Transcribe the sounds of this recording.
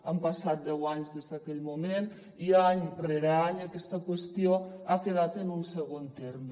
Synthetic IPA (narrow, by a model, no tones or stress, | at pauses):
ampasat̪̚d̪ɛwaɲzðezðakɛʎmumen | iaɲreɾeaɲakɛst̪akwest̪joakeðat̪enunseɣ̞ont̪ɛɾm